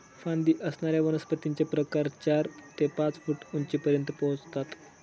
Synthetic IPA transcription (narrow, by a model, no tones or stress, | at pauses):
fãnd̪iːʔəsɳaɾjaʋənəspət̪iɲt͡ɕepɾəkaɾt͡ɕaɾt̪epãt͡sfuːʈuɲt͡ɕipəɾjənt̪əpɔɦt͡st̪at̪